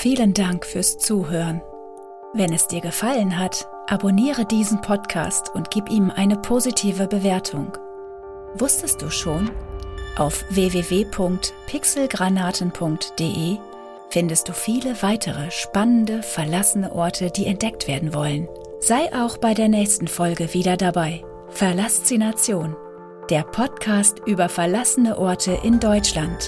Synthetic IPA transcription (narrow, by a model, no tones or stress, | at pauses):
fiːləndaŋkfyːɐst͡suːɦøːʁən | vɛnɛsd̥iːɐɡəfalənɦat | ʔaboniːʁədiːzn̩pʰɔtkʰa̰ːstʰʊntɡ̥iːpʔiːmʔaɪnəpʰozitʰiːvəbəveːɐtʰʊŋ | vʊstəst̚d̥uːʃoːnʔaʊfv̥eːveːveːpʰʊŋk̚tpʰɪksl̩ɡʁanaːtn̩pʰʊŋktd̥eːʔeː | fɪndəst̚d̥uːfiːləvaɪtʰəʁəʃpanəndəfɛɐlasənəʔɔɐtʰədiːɛnt̚d̥ɛk̚tv̥eːɐdn̩vɔlən | z̥aɪʔaʊxb̥aɪdeːɐnɛːçstn̩fɔlɡəviːdɐdabaɪ | fɛɐlast͡sinat͡sjoːn | d̥eːɐpʰɔtkʰaːstʔyːbɐfɛɐlasənəʔɔɐtʰəʔɪndɔʏt͡ʃlant